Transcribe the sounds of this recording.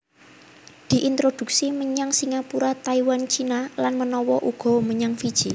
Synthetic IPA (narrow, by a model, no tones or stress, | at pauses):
d̪̥i̤ʔint̪ɾod̪̥ṳk̚siməɲaŋsiŋapuɾat̪aiwant͡ʃinalanmənɔwɔʔuɡ̥ɔ̤məɲaŋfid̥ʒ̥i